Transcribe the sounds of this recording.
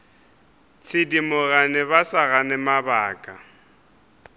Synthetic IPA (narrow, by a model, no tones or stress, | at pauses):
t͡sʰɪdimʊɣanɪβasaɣanɪmabaːkʼa